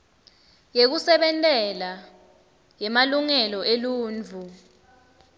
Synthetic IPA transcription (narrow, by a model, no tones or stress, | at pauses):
jek̬usɛɓɛntʼɛla | jɛmaluŋɛlɔʔeluːnd͡vʱu